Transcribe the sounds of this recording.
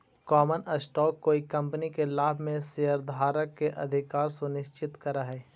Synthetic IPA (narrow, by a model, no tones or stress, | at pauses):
kɔːmənəsʈɔːkːoːikɐ̃mpənikelaːbʱmẽsejəɾd̪ʱaːɾəkːeʔɐ̰d̪ʱɪkaːɾsʊnɪʃt͡ʃɪt̪kəɾaɦɛː